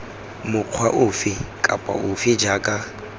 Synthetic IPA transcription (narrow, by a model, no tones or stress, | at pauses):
mʊq͡χʰwaʔʊfɪkʼapʼa̰ʔʊfɪd͡ʒaːkʼa